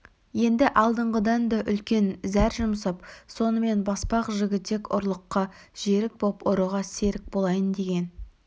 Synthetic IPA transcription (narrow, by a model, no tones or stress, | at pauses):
je̞nd̪ɪʔɑlˠd̪əɴʁəd̪ɑnd̪ɑʔʏlkʲe̞nzæɾʒʊmsəpso̞nəme̞nbɑspɑqʒɪɡʲɪt̪ːe̞kʊ̰ɾlˠəqːɑʒ̥e̞ɾɪk̚bopoɾəʁɑse̞ɾɪk̚bolˠɑjənd̪e̞ɡʲe̞n